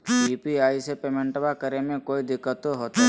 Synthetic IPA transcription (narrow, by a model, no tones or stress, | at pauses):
iːpiaːisepemẽɳʈbakəɾemẽkoːid̪ɪkːət̪oɦoːt̪a